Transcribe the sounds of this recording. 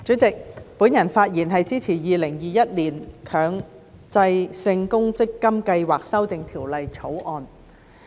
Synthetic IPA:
t͡sɵ˨˥t͡sɪ˨k̚puː˨˥njɐ˨˩nfaː˧t̚jiː˨˩nɦɐ˨jt͡siː˥t͡sʰiː˨˩jiː˨lɪ˨˩ŋjiː˨jɐ˥t̚liː˨˩nkʰœː˨˧˥ŋ | t͡sɐ˧jsɪ˧ŋkʊ˥ŋt͡sɪ˥kːɐ˥mkɐ˧jwaː˨k̚sɐ˥wt̪ɪ˨ŋt̪ʰiː˨˩wlɐ˨˧jt͡sʰo˨˥wʔɔː˧n

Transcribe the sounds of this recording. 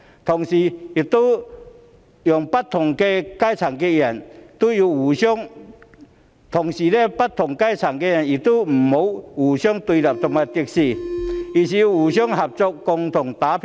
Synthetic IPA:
t̪ʰo˨˩ŋɕi˨˩i˨˩t̪u˦ | jʊ˨˩ŋpa˦˥t̚t̪ʰːʊ˨˩ŋke˧ka˥jt͡sʰa˨˩ŋke˧jɛ˨˩nt̪u˦ju˧u˨˩ɕjɔ˥ŋ | t̪ʰʊ˨˩ŋsiː˨˩le˧pa˦˥t̚t̪ʰʊ˨˩ŋka˦˥jt͡sʰa˨˩ŋke˧jɛ˨˩ni˨˩t̪u˦m̩˨˩mo˨˦wu˨˩ɕjɔ˥ŋt̪u˧la˨˩p̚t͡sɔ˧ŋa˨˧˩t̪i˧k̚si˧˩i˨˩si˨ju˧uː˨˩ɕɔ˥ŋɦɐ˨p̚t͡so˧kːʊ˧ŋt̪ʰʊ˨˩ŋt̪a˨˦pʰ

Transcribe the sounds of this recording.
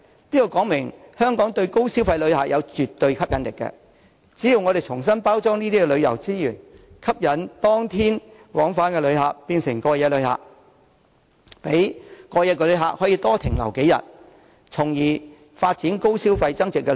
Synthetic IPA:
niː˥kɔ˨˧kɔː˨˥ŋmɪ˨˩ŋ | hœː˥ŋkɔː˨˥ŋt̪ɵ˧ɥko˥wsiː˥wfɐ˧jlɵ˨˧ɥha̰ː˨jɐ˨˧wt͡ʃyː˨t̪ːɵ˧ɥkʰɐ˥p̚jɐ˨˥nlɪ˨kːɛ̰˧ | t͡siː˨˥ji˨˧wŋɔː˨˧ɾe˨˩jt͡sʰʊ˨˩ŋsɐ˥npaː˥wt͡sɔː˥ŋniː˥t̪iː˥kɛ˧lɵ˨˧ɥjɐ̰˨˩wt͡siː˥jyː˨˩nkʰɐ˥p̚jɐ˨˥nt̪ɔː˥ŋt̪ʰiː˥n | wɔː˨˥ŋfaː˨˥nkɛː˧lɵ˨˧ɥɦaː˨k̚piː˧nsɪ˨˩ŋkɔː˧jɛː˧lɵ˨˧ha̰ː˨k̚ | pe˨˥jkɔː˧jɛː˧k̬ːɛ˧lɵ˨˧ɥɦa̰ː˨k̚hɔ˨˥jiː˧t̪ɔː˥t̪ʰɪ˨˩ŋlɐ̰˨˩wke˨˥jɐ̰˨˩t̚ | t͡sʰʊ˨˩ŋjiː˨˩ | faː˧t̚t͡siː˨˥nko˥wsiː˥wfɐ˧jt͡sɐ˥ŋt͡sɪ˨kːɛ˧

